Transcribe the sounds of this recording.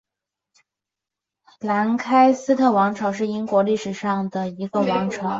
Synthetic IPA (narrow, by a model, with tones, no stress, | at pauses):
la˧˥nkʰa˥ɪsɹ̩˥t̪ʰɤ˥˩wɑ˧˥ŋʈ͡ʂʰɑ˧˥ʊʂ̬ɻ̩˥˩i˥ŋkwɔ˧˥li˥˩ʂɻ̩˨˩ʂɑ˥˩ŋd̪ə˩i˧˥ɡə˧wɑ˧˥ŋʈ͡ʂʰɑ˨˩˦ʊ